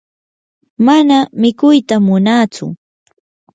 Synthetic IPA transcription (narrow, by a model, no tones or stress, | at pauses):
manamɪkʊjt̪amʊnat͡sʊ̰